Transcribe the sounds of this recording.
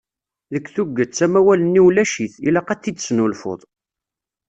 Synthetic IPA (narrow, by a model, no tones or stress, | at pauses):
ðəkːθuɡːət͡sːæmæwælənːiwlæʃiθilæqæt͡sːid̪snulfo̰ðˤ